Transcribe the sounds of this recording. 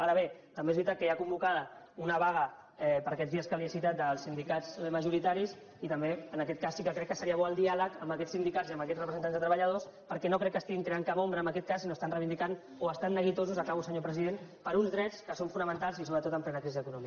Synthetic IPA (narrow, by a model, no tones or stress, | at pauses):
aɾəβ̞et̪əmbezβɾit̪at̪̚kəjakumbukaðə | unəβaɣə | ɛpəɾakɛd͡zzðiəskəlisit̪at̪̚d̪əlˠsind̪ikazməʒuɾit̪aɾis | it̪əmbeənəkɛt̪̚kasːikəkɾɛkːəsəɾiəβɔəlˠd̪ialəkəmbəkɛsind̪ikaziəməkɛd͡zrəpɾəzənt̪anzðət̪ɾəβəʎəð̞ospəɾkɛnokɾɛkːəst̪iɣiŋk̪ɾeaŋkapombɾəːmbəkɛt̪̚kasːinost̪anrəβind̪ikan | oəst̪anːəɣ̞it̪ozuzakaβusəɲopɾəziðenpəɾunzðɾɛt͡skəsoɱfunəmənt̪alˠzisoβɾət̪ot̪əmplɛnəkɾizizəkunɔmikə